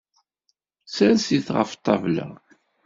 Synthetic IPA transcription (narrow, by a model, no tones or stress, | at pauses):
sæsiθʁə̰ft̪ˤːɑvlæ̰